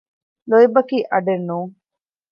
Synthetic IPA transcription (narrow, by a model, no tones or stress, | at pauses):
loibɐkiːʔɐɖenːuːŋ